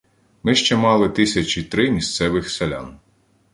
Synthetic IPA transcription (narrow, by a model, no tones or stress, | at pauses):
mɪʃt͡ʃɛmɑlˠɪt̪ɪsʲɐt͡ʃʲit̪ɾɪmʲist̪sɛʋɪxselʲa̰n